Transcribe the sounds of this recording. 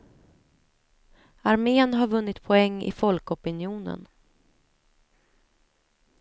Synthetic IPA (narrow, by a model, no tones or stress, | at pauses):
aɾmeːnɦaɾvɵnːɪt̪pʰɔɛŋːɪ̰fɔlkɔpɪnjuːnə̰n